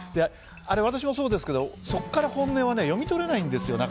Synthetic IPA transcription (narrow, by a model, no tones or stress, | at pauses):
d̪e | aɾe̞β̞at̪aɕ̬imo̞so̞ːd̪e̞sɨ̥ke̞d̪o̞so̞kːaɾahõ̞nːe̞ːβane̞jo̞mʲit̪o̞ɾe̞naĩnd̪e̞sɨjo̞nak